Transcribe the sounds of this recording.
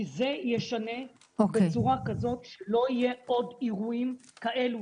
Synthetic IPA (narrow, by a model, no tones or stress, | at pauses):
ize̞jeʃane̞ | obet͡suʁakazo̞tʃelo̞ije̞o̞diʁuimkaʔe̞lu